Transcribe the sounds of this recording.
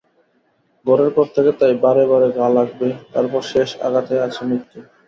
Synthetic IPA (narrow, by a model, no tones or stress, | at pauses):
ɡɔɾeɾpɔɾt̪ʰeket̪ajbaɾebaɾeɡalaɡ̚bet̪aɾpɔɾʃeʃa̰ɡat̪eat͡ɕʰemit̪ːu